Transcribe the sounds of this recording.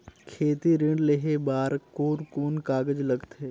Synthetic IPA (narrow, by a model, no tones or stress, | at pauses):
kʰeːt̪iɾɪ̃ɳɖleɦebaːɾkoːɾkuːnkaːɡəd͡ʒlɐɡt̪eː